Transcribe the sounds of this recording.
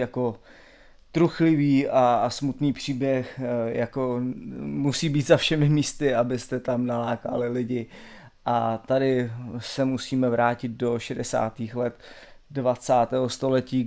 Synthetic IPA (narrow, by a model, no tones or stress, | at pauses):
jako̞ | t̪ɾuxlɪviːasmut̪niːpr̝̥iːbjɛxjakomusiːbiːt̪zafʃɛmɪmiːst̪ɪabɪst̪ɛt̪amnalaːka̰lɪlɪɟɪ | ʔat̪adɪsɛmusiːmɛvɾaːcɪt̪̚do̞ʃɛdɛsa̰ːt̪iːxlɛt̪dvat͡saːt̪ɛːɦost̪o̞lɛciː